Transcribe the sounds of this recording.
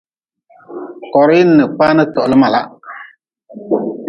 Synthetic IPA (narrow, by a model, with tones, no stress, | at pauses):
kɔ˨ɾɪ˦n̩ː˦˨ɨ˨k͡pa˦nɨ˦tɔ˨ʔlɨ˦ma˨la˦